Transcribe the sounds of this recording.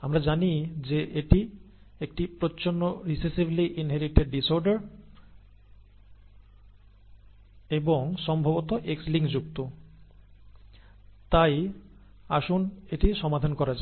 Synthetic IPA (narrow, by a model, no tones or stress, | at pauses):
amɾad͡ʑanid͡ʑeʔeʈi | ek̚ʈipɾot͡ɕonːoɾisesibliʔinɦeɾiʈeɖ̚ɖisoɾɖaɾ | eboŋʃɔmbʱabot̪oʔeksliŋɡd͡ʑuk̚t̪o | t̪aj | aʃuneʈiʃɔmad̪ʱankɔɾad͡ʑa